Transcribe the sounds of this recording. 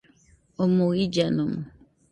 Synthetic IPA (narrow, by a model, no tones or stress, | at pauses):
omoid͡ʒanomʊ